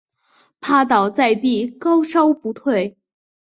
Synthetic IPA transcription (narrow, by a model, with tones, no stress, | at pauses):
pʰa˥t̪ɑ˨˩ʊt͡sa˥˧ɪt̪i˥˩kɑ˥ʊʂɑ˥ʊpu˧˥t̪ʰwe˥˩ɪ